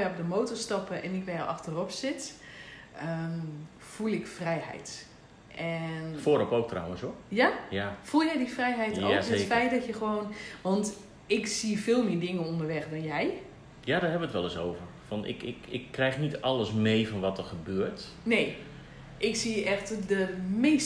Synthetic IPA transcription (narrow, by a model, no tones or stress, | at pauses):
ɛrɔp̚dəmoːwtɔrstɑpəʔɛnɪkʋɛjʔɑ̰xtərɔpsɪt | ə | fulˠɪkfrɛjhɛ̰jt | ʔɛnfoːɾɔpowk̚tra̰wənsojajafulˠjɛjdifrɛjɦɛjtoətfɛjtdɔtjəxəʋoːnʋɔnt | ɪksifɪːlˠmɪːdɪŋənondərʋɛxdɔnjɛj | jadɔrɦɛbəətʋɛlˠɪsoːwvərfɔnɪ̰kɪkɪkːrɛjxnitɑlˠəsmejfɔnʋɔtərxəbøːərt | nej | ʔɪksiɛxtdəmeːs